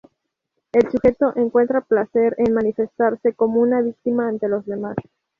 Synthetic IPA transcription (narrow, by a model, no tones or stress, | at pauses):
e̞lsuxe̞t̪o̞ʔe̞ŋkwe̞nt̪ɾaplase̞ɾe̞nmanife̞st̪aɾse̞ko̞mounaβik̚t̪imaːnt̪e̞lo̞zðe̞mas